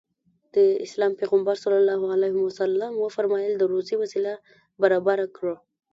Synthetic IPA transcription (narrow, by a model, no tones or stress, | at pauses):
d̪̥əɪslɑmpeɣambaɾsalalɑhalahɪmwasalːamwəfaɾmɑjəld̪əɾosiwasila | baɾɑbaɾakɽə